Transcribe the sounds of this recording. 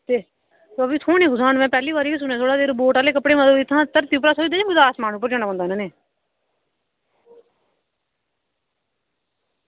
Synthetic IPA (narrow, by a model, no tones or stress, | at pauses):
t̪eː | t̪oəbĩːt̪ʰoːnẽːɡʊzaːnmɛ̃ːpɛːliːʋaːɾiːkiːs̬ʊnãːt̪ʰoːɽaːd̪eːɾboːʈaːleːkəpɽeːmət̪əbɪt̪ʰːãːt̪əɾt̪iːup̬ɾaːsoːd͡ʒd̪eːd͡ʒãːɡʊd̪aːsmaːɳuːpːəɾd͡ʒaːnaːbə̃nd̪aːnãːneː